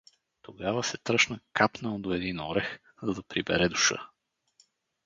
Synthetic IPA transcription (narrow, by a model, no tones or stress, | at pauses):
t̪oɡavɐsɛt̪ɾəʃnəkapnəld̪oɛd̪inɔɾɛx | zɐd̪ɐpɾibɛ̰ɾɛd̪u̥ʃə̰